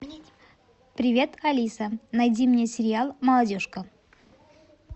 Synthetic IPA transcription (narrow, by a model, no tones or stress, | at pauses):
pɾʲɪvʲe̞t̪ɐlʲisənɐjdʲimnʲe̞sʲɪɾʲɪalˠməlˠɐdʲo̞ʂkə